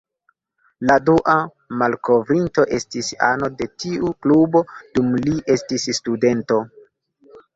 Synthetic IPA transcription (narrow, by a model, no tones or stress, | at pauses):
laduʔa | malko̞vɾinto̞ʔe̞stisa̰no̞de̞tiuklubo̞dumliʔe̞stisstude̞nto̞